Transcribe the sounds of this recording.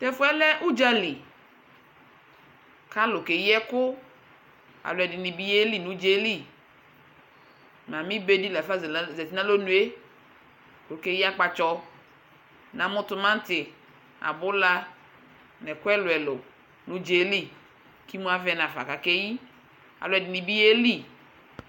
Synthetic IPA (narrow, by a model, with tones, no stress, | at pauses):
t̪ɛ˦fʊ˦ɛ˦lɛ˦ʔu˦d͡ʒa˦li˨ | ka˦lʊ˨ke˨ji˦ɛ˦kʊ˦ | a̰˨lʊ˨ɛ˨dɪ˨nĩ˨bi˦je˦li˨nũ˨˦d͡ʒe˦li˦˨ | m˨ã˨mĩ˦be˦di˦lɛ˨fa˦zzɛ˨ti˦nã˦lo˦nũ˨e˦˨ | ke˨˦ji˦a˦k͡pa˨t͡ʃɔ˦ | nã˨mʊ̃˦t̪ʊ˦mã˦n˦t̪ɪ˨ | a̰˨bʊ˦la˦ | nɛ˨kʊ˦ɛ˦lʊ˨ɛ˨lʊ˨ | nũ˦d͡ʒe˨˦li˦ | ki˦mũ˦a˦vɛ˦nã˨fa̰˨ka˨ke˦ji˦ | a̰˨lʊ˨ɛ˨dɪ˨nĩ˨bi˦je˦li˦˨